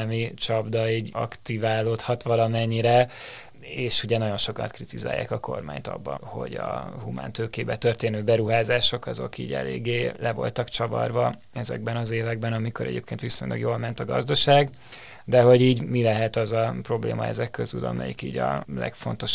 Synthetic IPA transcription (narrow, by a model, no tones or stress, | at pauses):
mit͡ʃɒbd̪ɒiːɟɒkt̪ivaːloːt̪hɒt̪ʋɒlɒmɛɲːiɾɛ | eːʃuɟɛnɒɟo̞nʃo̞kɒnt̪krit̪iza̰ːjːa̰ːkɒko̞̰rma̰ːɲt̪ɒ̰bːɒ̰ho̞̰ɟɒhuma̰ːnt̪øːkeːbɛt̪ørt̪eːnøːbɛɾuɦaːzaːʃo̞kɒzo̞̰kḭːɟɛ̰lḛːɡːeːlʔɛvo̞̰lt̪ɒkt͡ʃɒvɒ̰rvɒ | ɛzɛ̰ɡbɛnɒzeːvɛɡ̚bɛnɒmiko̞ɾɛ̰ɟeːp̚keːnt̪ʋisoɲlɒ̰ɡjoːlmɛnt̪ɒɡɒ̰zd̪ɒʃaːɡ | d̪ɛɦo̞ɟiːɟmilɛɦɛt̪ɒzɒpro̞blḛːmɒɛ̰zɛkːøzylɒ̰mɛ̰jikiːɟɒ̰lɛ̰kfo̞̰n̪t̪o̞ʃ